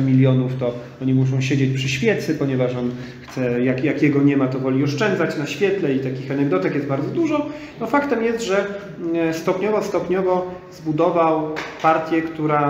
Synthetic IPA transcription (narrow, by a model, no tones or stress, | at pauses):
mʲilʲjɔnuft̪ɔ | ɔɲimuʂ̬ɔ̃w̃ɕed͡ʑet͡ɕpʂɘɕfʲjɛt̪sɘpɔɲɛvaʂɔn | xt̪sɛjakjakʲjɛɡɔɲɛmat̪ɔvɔlʲiɔʂt͡ʂɛnd̪zat͡ɕnaɕfʲjɛt̪lɛit̪akʲixanɛɡd̪ɔt̪ɛkjɛst̪baɾd̪zɔd̪uʐɔ | nɔfakt̪ɛmjɛst̪ʐɛ | st̪ɔpɲɔvɔst̪ɔpɲɔvɔzbud̪ɔvawpaɾt̪ʲjɛkt̪uɾa